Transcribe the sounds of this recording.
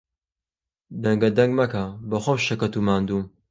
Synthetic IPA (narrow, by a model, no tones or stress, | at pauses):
d̪ɐŋɡɐd̪ɐŋɡmɐkʰabɐxʷomʃɐkɐt̪umaːnd̪um